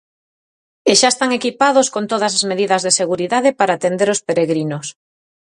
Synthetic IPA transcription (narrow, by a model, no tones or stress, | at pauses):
eʃaest̪aŋekipað̞oskont̪oðɐs̬azmeðiðɐzðeseɣuɾiðaðepaɾaːt̪end̪eɾospeɾeɣɾinos